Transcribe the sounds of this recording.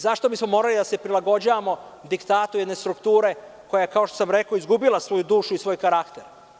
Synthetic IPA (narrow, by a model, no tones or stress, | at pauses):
zaʃt̪o̞bismo̞mo̞ːɾalid̪asepɾilˠaɡo̞d͡ʑaʋamo̞ | d̪ikt̪aːt̪ujed̪ne̞st̪ɾukt̪uːɾe̞ | ko̞jaekaoʃt̪osamɾe̞ko̞izɡubilˠasʋo̞jud̪uːʃuisʋo̞jkaɾakt̪eɾ